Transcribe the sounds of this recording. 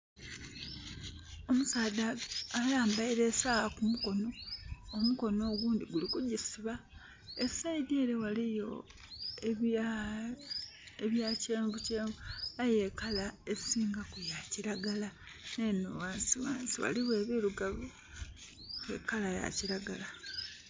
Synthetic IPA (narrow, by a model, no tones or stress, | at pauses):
o̞musaːdaːlaːmbaiɾe̞saɣakumuko̞no̞omuko̞no̞ːɡuːndiɡulikuɟisiβa | esaide̞ːɾe̞walijo̞ | e | eβjaceːɱbuceːmuaje̞kalaesiːŋɡakujaciɾaɡala | nenuwaːnsiwa̰ːnsiwa̰liwe̞ːβiɾuɡaβo | kḛkalaja̰ciɾaɡala